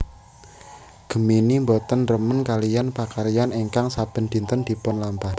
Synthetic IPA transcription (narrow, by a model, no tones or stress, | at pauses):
ɡ̥ə̤minimbɔt̪ənrəmənkalijanpakaɾijaneŋkaŋsab̥ə̤nd̪̥i̤nt̪ənd̪̥i̤pʊnlampa